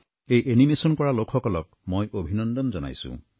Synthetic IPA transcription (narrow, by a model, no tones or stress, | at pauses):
ejʔenimesɔnkɔɹalokʰɔkɔlɔk̚mojʔobʱinɔnd̪ɔnzɔna̰jsṵ̃